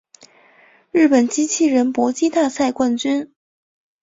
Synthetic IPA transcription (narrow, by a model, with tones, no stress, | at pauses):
ɻɻ̩˥˩pə˨˩nt͡ɕi˥t͡ɕʰi˥˩ɻə˧˥npwɔ˧˥t͡ɕi˥t̪a˥˧sa˥˧ɪkwa˥˩nt͡ɕy˥n